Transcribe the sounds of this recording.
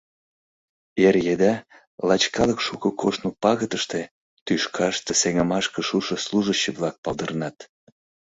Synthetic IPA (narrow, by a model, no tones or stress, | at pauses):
erjed̪ɑ | lɑt͡ɕkɑləkʃukokʰoʃnupɑɣət̪əʃt̪e | t̪yʃkʰɑʃt̪əseŋəmɑʃkə̆ʃuʃəsluʒət͡ɕːəβlɑk̚pɑlˠd̪ə̆rnɑt̪